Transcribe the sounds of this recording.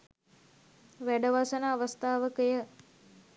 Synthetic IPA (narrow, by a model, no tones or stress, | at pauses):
ʋæɖəʋasənəːʋəst̪aːʋəkəjə